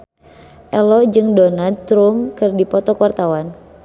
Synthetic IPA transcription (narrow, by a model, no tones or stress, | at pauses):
ʔɛlɔd͡ʒɨŋdɔnad̪t̪ɾumkɨrdipɔt̪ɔkwart̪awan